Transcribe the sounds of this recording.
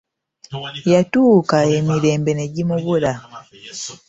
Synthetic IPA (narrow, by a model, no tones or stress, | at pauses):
jatuːkae̞miɾe̞ːmbe̞ne̞ɟimuβula